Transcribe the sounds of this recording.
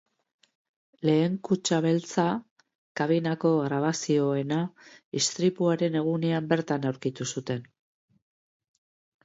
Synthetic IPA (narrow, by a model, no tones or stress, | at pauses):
le̞ːŋkut͡ʃaβ̞e̞lt͡sa | kaβ̞inako̞ɣɾaβ̞asio̞e̞naist̪ɾipuaɾe̞ne̞ɣ̞une̞ambe̞ɾt̪anawɾkit̪usut̪e̞n